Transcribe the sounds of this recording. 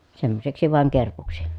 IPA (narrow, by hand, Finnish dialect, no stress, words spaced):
semːoseksi ʋɑˑeŋ kerpuksi